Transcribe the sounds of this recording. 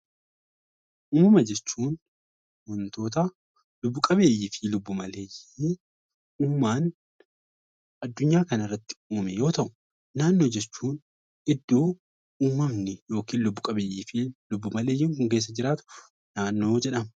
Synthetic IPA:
ʔuːmɐmɐd͡ʒɛt͡ʃːuːn | wɔnt̪o̞ːt̪ɐ | lʊbːʊkʼɐbe̞ːjɪfɪlʊbːʊmɐle̞ːji | uːmːaːn | ɐd̪ːʊɲːaːkɐnɐɪrːɐt̪ːɪ̥uːmɛjo̞ːt̪ɐʔʊ̥ː | aːnːo̞ːd͡ʒɛt͡ʃːuːn | ɪd̪ːoː | uːmːɐmnɪjo̞ːkiːnlʊbːʊkʼɐbeːjɪfɪlʊbːʊmɐleːjːiːŋkʊŋk̬e̞ːs̬ːɐd͡ʒɪɾaːt̪ʊ̥ | naːnːo̞ːd͡ʒɛᶑɐm

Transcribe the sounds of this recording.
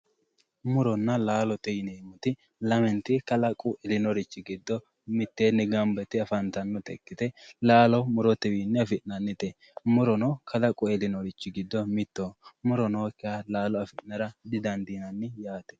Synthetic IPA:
mʊɾɔnːɐlaːlɔt̪ɛjneːmʊt̪ɪ | lɐmɛnt̪ːɪkɐlɐkʼʊʔɛlɪnɔɾɪt͡ʃːɪɡɪd̪ːɔ | mɪt̪ːenːɛɡɐmbɛt̪ɪɐfɐnt̪ɐnːɔt̪ɛ̰kːɪt̪ɛlaːlɔmʊɾɔt̪ɛwinːɛɐfɪʔnɐnːɪt̪ɛ | mʊɾɔnɔkʰɐlɐkʼʊɛlɪnɔɾɪt͡ʃːɪɡɪd̪ːɔmɪt̪ːoːmʊɾɔnoːkːɪalaːlɔɐfɪnɐɾɐd̪ɪd̪ɐnd̪iːnɐnːɪjaːt̪ɛ̥

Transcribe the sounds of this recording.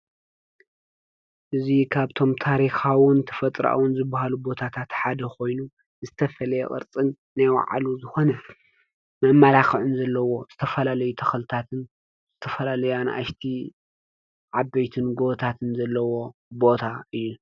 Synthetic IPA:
ʔɨzikʰaβt̪ʰo̞mt̪ʰaɾixawɨnt̪ʰɐ̥fɐt̪ʼɾa̰wɨnzɨbːahalubo̞t̪ʰat̪ʰat̪ħad̪ɐko̞jnu | zɨt̪ʰɐfɐlɐjḛʔʼɨ̰ɾt͡sʼɨnːajwa̰ʕa̰luzɨxo̞nɐ | mɐmːalaxɨʕʊnzɐlːɐwo̞z̥ɨt̪ʰɐfɐlalɐjut̪ʰɐxɐlt̪ʰat̪ʰɨn | z̥ɨt̪ʰɐfɐlalɐjanʔa̰ʃt̪ʰi | ʕabɐjt̪ʰɨnɡo̞βt̪ʰat̪ʰɨnzɐlːɐwo̞bo̞t̪ʰaɨjːu

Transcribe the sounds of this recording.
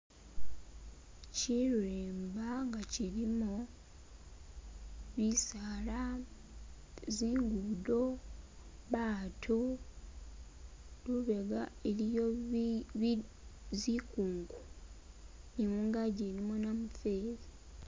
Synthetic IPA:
ciɾeːmbaŋɡaciɾimo | βisaːla | ziːŋɡudo̞ | βaːtʰo | luβe̞ɡaeɾijo | zikuːŋɡu | nimuːŋɡaɟeɾimonamufeːɾi

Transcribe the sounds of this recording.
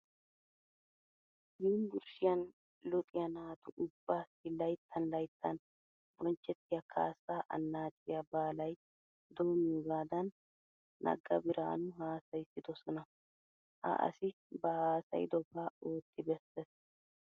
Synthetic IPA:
jiːnɡʊɾʃɪjɐn | lɔt̪ʼɪjɐnaːt̪ʊʔʊbːasɪlɐjt̪ʰːɐnlɐjt̪ʰːɐn | bɔnt͡ʃːɛt̪ːɪjɐkʰa̰ːsːaːʔɐ̰nːaːt͡ʃʼɪjɐbaːlɐj | d̪oːmuɡaːd̪ɐnː | ɐ̰ɡːɐ̰bɪɾa̰ːnʊɦaːsɐjɪsːɪd̪ɔsɔnɐ | hɐ̰ʔɐ̰sɪ | bɐhaːsɐ̰jd̪ɔbaoːt̪ːɪbɛsːɛs

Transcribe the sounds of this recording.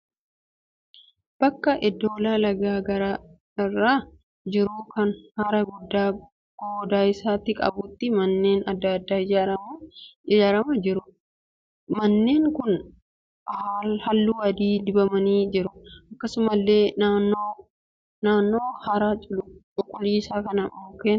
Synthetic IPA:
b̥ɐkːɐʔɪd̪o̞ːlaːlɐɡaːɡɐɾaː | ɪrːaː | d͡ʒɪɾʊkɐnhɐɾɐɡʊd̪ːaː | ɡ̥oːd̪aːɪsaːt̪ːɪkʼɐ̰bʊt̪ːɪmɐnːe̞ːnɐd̪ːɐd̪ːaːɪd͡ʒaɾɐmɪd͡ʒaːɾɐmɐd͡ʒɪɾʊ | mɐnːe̞ːŋkʊn | hhɐlːuːɐd̪iːd̪ɪbɐmɐniːd͡ʒɪɾʊʔɐkːɐsʊmɐlːe̞ːnaːnːoː | naːnːo̞ːhɐɾaːt͡ʃʼʊlt͡ʃʼʊkʼːʊliːsaːkɐnɐoːkeːn

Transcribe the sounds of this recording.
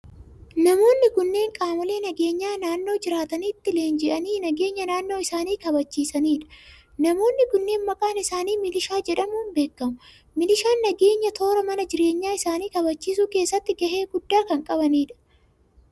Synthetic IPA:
nɐmo̞ːnːɪɡʊnːe̞ːŋkʼaːmɐle̞ːnɐɡe̞ːɲːaːnaːnːo̞ːd͡ʒɪɾaːt̪ɐniːt̪ːɪleːnd͡ʒɛʔɐniːnɐɡe̞ːɲːɐnaːnːo̞ːɪsaːniːkɐbɐt͡ʃːiːsɐniːᶑɐ̥ | nɐmo̞ːnːɪɡʊnːe̞ːnmɐkʼaːnɪsaːniːmɪlɪʃaːd͡ʒɛᶑɐmʊnbe̞ːkːɐmʊ | mɪlɪʃaːnːɐɡe̞ːɲːɐt̪o̞ːɾɐmɐnɐd͡ʒɪɾe̞ːɲːaːɪsaːniːkɐbɐt͡ʃːiːsuːke̞ːsːɐt̪ːɪɡɐhe̞ːɡʊd̪ːaːkɐŋkʼɐbɐniːᶑɐ̥

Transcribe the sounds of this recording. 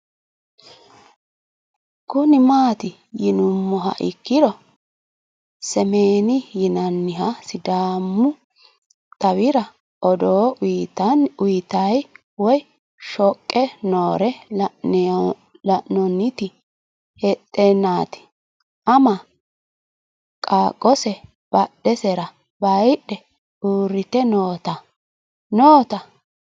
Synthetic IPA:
kʊnɪmaːt̪ɪ | jɪnʊmːɔɦɐ̰ʔɪ̰kːɪd̪ɔ | sɛmeːnɪjɪnɐnːɪɦɐsɪd̪aːmːʊ | t̪ʼɐwɪɾɐ | ʔɔd̪oːt̪ɐʊjt̪ɐj | wɔj | ʃɔkʼːɛnoːɾɛ | lɐʔnɔnːɪt̪ɪ | hɛt̪ʼːɛnːaːt̪ɪ̥ | ʔɐmɐ | kʼaːkʼːɔsɛ | b̥ɐɗɛsɛɾɐ | bɐjɗɛ | uːɾːɪt̪ɛnoːt̪ɐ | noːt̪ɐ

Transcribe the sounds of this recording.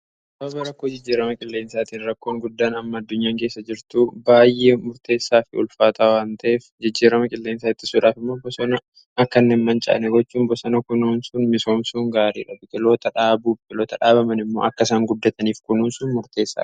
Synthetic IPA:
bɐbɐɾɐkːoːd͡ʒɪd͡ʒːiːɾɐmɐkʼɪlːe̞ːnsaːt̪iːnɾɐkːo̞ːŋɡʊd̪ːaːnɐmːɐɐd̪ːʊɲːaːŋke̞ːsːɐd͡ʒɪɾt̪ubaːjʔemʊɾt̪e̞ːsːaːfɪʊ̰lfaːt̪ʰaːwaːnt̪ʰɐʔeːfd͡ʒɪd͡ʒːiːɾɐmɐkʼɪlːeːnsaːɪt̪ːɪ̥suːᶑaːfɪmːo̞ːbɔsɔnɐ | ɐkːɐnːeːnmɐnt͡ʃʼɐ̰ʔɐ̰nɛɡɔt͡ʃːuːmbɔsɐnɐkʊnuːnsʊnmɪso̞ːmsuːŋɡaːɾḭːᶑɐbʊk̪ʼɪlo̞ːt̪ɐᶑaːbuːbkʼɪloːt̪ɐᶑaːbɐmɐnɪmːo̞̰ːʔɐkːɐsaːŋɡʊd̪ːɐt̪ɐniːfkʊnuːnsʊːnmʊɾt̪e̞ːsːa̰ː

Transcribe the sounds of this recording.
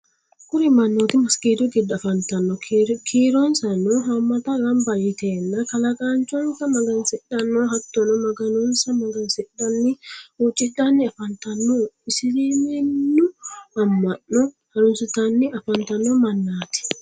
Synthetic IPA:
kuɾimanːɔt̪imaskiduɡidafantanːɔkʰiɾɔnsanɔɦamːataɡambajitɛnːakalakant͡ʃɔnsamaɡansɛɗanːɔɦatːɔnɔmaɡanɔnsamaɡansɛɗanːiut͡ʃʼidanːiafantanːɔisiɾiminːuhamːanːɔ | haɾunsutanːiafantanːɔmanːaːti̥

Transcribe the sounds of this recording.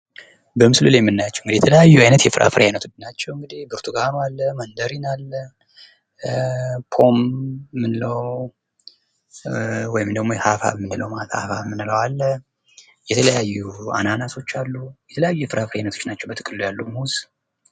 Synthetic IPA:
bəmɨslulajmːɨnːajat͡ʃːɛ̥wɨŋɡɨd̪ijɛt̪ʰələjajːuajnət̪jɛfɨɾʔa̰fɨɾjanət̪ʰud̪nat͡ʃːɛwɨŋɡɨd̪ibɨɾt̪ʰuɡanalːəmənd̪əɾinalːən | pʰo̞mmːɨnɨləw | wɔjɪmd̪əɡmojhafa̰βmɨnːɨləwmat̪ʰa̰fa̰βmɨnːɨləwalːə | jɛt̪ʰələjajːua̰nanaso̞t͡ʃːalːujɛt̪ʰələjajːujɛfɨɾafɾjanət̪ʰo̞t͡ʃːnat͡ʃːɛwbət̪ʰɨkʼɨlːjalːumuz

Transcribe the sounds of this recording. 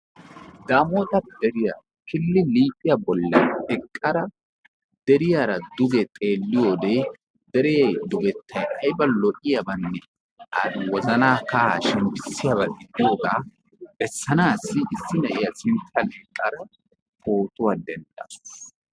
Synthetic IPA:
d̪aːmoːt̪ɐd̪ɛɾɪja̰ | kɪlːɪliːpʼɪjɐbɔlːɐnɛkʼːɐɾɐ | d̪̥ɛɾɪjaɾɐd̪ʊɡɛt̪ʼe̞ːlːɪjo̞ːd̪eː | d̪̥ɛɾɛjɛjd̪ʊbɛt̪ːɐjʔɐjbɐlɔʔɪjɐbɐnːɛ | ʔɐwɔzɐnaːkɐa̰ːʃɛmpɪsːɪjaβɐd̪ɪd̪ɪjo̞ːɡaː | bɛsːɐnaːsːɪɪsːɪnɐʔɪjɐsɪnt̪ʰːɐnɛkʼːɐɾɐ | koːt̪ʊwad̪ɛnd̪ɐ

